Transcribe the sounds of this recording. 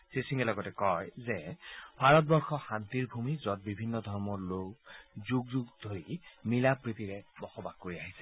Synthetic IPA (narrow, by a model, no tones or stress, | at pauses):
sisiŋɛlɔɡɔtɛkɔjzɛb̥ʱaɹɔt̚bɔɹxɔxant̪iɹbʱumizɔt̚bibʱinːɔdʱɔɹmɔɹlokzuɡzuɡdʱoɹimilapɹit̪iɹɛbɔxɔbaɡkːoɹiaɦisɛ̥